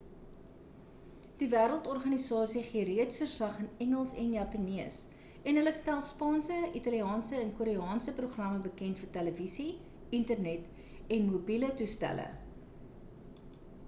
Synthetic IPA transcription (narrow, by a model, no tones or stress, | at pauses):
d̥ivæːɾəlˠtɔrχɐnisɑːsiχiəɾiətsfərslɐχənɛŋəlˠsɛnjɑpəniəs | ɛnɦələstælˠspɑːnsəitɑliɑːnsəɛnkuɾiɑːnsəpruχrɐməbəkɛntfərtæləvisi | intərnɛt | ɛnmobilətustæ̰lə̰